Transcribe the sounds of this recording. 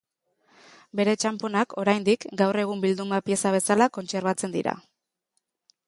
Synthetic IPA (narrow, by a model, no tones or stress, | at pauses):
be̞ɾe̞t͡ʃampo̞nako̞ɾajnd̪ikɡawre̞ɣ̞umbild̪umapje̞saβ̞e̞salako̞nt͡se̞ɾβat͡se̞nd̪ḭɾa̰